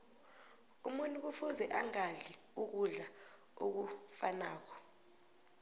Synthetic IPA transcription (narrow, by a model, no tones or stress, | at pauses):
umuntʼuk̬ufuzɛʔaŋaɮi | uk̬uɮa | ok̬ufanaːk̬ɔ̥